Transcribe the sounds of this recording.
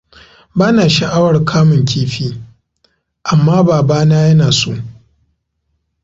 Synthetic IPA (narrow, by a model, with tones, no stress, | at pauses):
baː˦naː˨ʃɐ˨ʔa˦wɐ˨rkʰaː˦mʊ˨ŋkʲiː˦ɸiː˦ | ʔa˨mːaː˦baː˨baː˦naː˦jɐ˦naː˨soː˦